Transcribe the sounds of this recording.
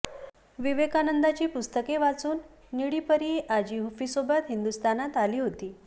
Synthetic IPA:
ʋiʋekanənd̪at͡ɕiːpust̪əkeʋat͡suːnː | iɽiːpəɾiʔad͡ʑiːɦufisobat̪ɦind̪ust̪anat̪aliːɦot̪iː

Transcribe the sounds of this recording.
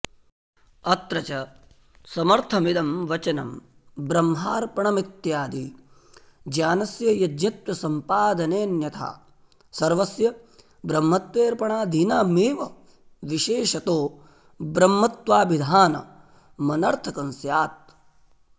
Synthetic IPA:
ɐt̪ɾɐt͡ʃɐ | sɐmɐɾt̪ʰɐmid̪ɐmʋɐt͡ʃɐnɐ̰m | bɾɐmɦaːɾpɐɳɐmit̪jaːd̪i | d͡ʒaːnɐsjɐjɐd͡ʒ̪ɲɐt̪ʋɐsɐmpaːd̪ɐneːnjɐt̪ʰa̰ː | sɐɾʋɐsjɐ | bɾɐmːɐt̪ʋeːɾpɐɳaːd̪ʱinaːmeːʋɐ | ʋiʃeːʃɐt̪oː | bɾɐmːɐt̪ʋaːʋid̪ʱaːnɐ̰ | mɐnɐɾt̪ʰɐkɐnsjaːt̪̚

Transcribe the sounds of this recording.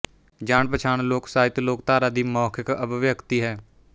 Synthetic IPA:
d͡ʒaːɳpət͡ʃʰaːnloːksaːɦɪt̪loːkt̪aːɾaːd̪iːmɔːkʰkəbʋjəkt̪iɦɛː

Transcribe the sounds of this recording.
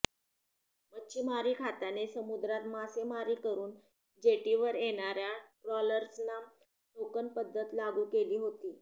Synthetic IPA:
mətːɕʰimaɾiːkʰat̪anesəmud̪ɾat̪masemaɾiːkəɾuːn | d͡ʑeʈiʋəɾjeɽ̃aɾjaʈɾɔləɾsna | nokənpəd̪ʱːət̪laɡuːkeliːɦot̪iː

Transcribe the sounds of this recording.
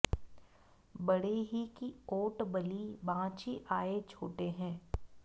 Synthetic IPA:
bɐɽeɦikioːʈbəlibãːt͡ʃiʔaːet͡ʃʰoːʈeɦɛ̃ː

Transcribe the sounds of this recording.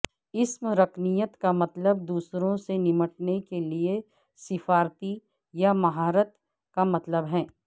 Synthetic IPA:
ɪsmɾɐkʰnijət̪kamɐt̪ləb̚d̪uːsɾõsenɪməʈnekelie | sɪfaːɾt̪i | jamɐɦaːɾət̪ | kamɐt̪ləbɦɛ̃ː

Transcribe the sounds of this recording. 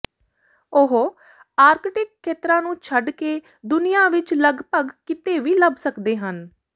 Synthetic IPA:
ʊɦ | aːɾkʈɪkʰːeːt̪ɾãːnũːt͡ʃʰəɖkeː | d̪ʊnijãːʋɪt͡ʃləɡpəɡkɪt̪eːʋiːləbsəkd̪eːɦən

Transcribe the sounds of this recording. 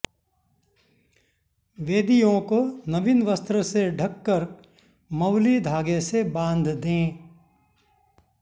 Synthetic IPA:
ʋeːd̪ijõkonəʋɪnʋəst̪ɾəseɖʱəkːəɾ | mɐʊlid̪ʱaːɡesebãːnd̪ʱd̪ẽː

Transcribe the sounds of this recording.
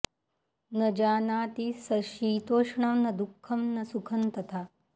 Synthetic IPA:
nɐd͡ʒaːnaːt̪isɐʃiːt̪oːʂɳamnɐd̪ukʰːɐmnɐsukʰɐnt̪ɐt̪ʰaː

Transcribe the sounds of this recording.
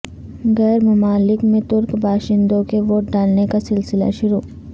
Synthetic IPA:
ɣɛːɾmɐmaːlɪkmẽt̪ʊɾkbʱaːʃɪ̃nd̪õkeʋoːʈ̚ɖaːlnekasɪlsɪla̰ʃʊɾoː

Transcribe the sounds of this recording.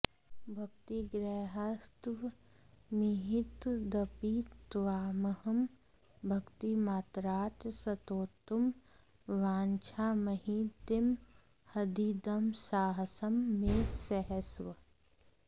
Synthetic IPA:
bʱɐk̚t̪iɡɾɛːɦəst̪ʋ | miɦit̪d̪ɐpit̪ʋaːməhɐm | bʱɐkt̪imaːt̪ɾaːt̪sɐt̪oːt̪um | ʋaːnt͡ʃʰaːmɐɦid̪ɪm | hɐd̪id̪ɐmsaːɦsɐmːẽsɛɦəsʋə

